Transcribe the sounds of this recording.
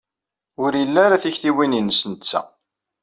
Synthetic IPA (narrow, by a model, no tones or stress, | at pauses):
ʊɾjəlːæɾaθiçθiwininəsənt͡sːæ̰